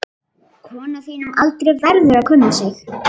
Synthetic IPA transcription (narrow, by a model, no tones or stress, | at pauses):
kʰvɔːnafiːnanʔalt̪ɾejvɛɾðʏɾaðkʰʏnːasɪx